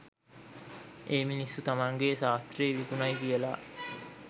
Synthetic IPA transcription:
eːminisːut̪amaŋɡeːsaːt̪ɾeːʋikunajkiəla̰

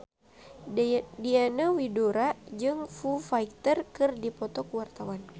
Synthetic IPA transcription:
dianawidoɾad͡ʒɨŋfufaik̚t̪ərkɨrdipɔt̪ɔkuwart̪awan

